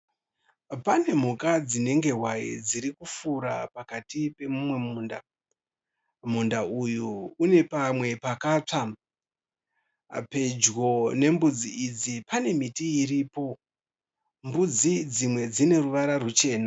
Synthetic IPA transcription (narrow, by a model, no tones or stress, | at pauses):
pane̞m̤ukad͡zine̞ŋɡe̞ɦwaḭd͡ziɾikufuɾa̰pakatipe̞mumwe̞muːnda̰ | m̤undaujuune̞pamwe̞pakaːt͡ʂa | pe̞d͡ʒɣo̞ne̞mbud͡ziʔid͡zipane̞mitiiɾiːpo̞ | mbud͡zid͡zimwe̞d͡zine̞ruʋaɾarut͡ʃe̞ːna